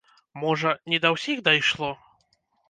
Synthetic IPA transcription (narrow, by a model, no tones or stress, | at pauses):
mɔʐɐnʲɛd̪ɐwsʲixd̪ɐjʂlˠɔ